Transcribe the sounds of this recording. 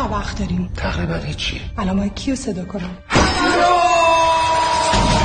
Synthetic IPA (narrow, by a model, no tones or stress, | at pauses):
avæxt̪̚d̪ɒɾiːmt̪ʰaʁɾibænhit͡ʃʰːḭeʔælɒːmɒcʰijosed̪ɒːkʰonæm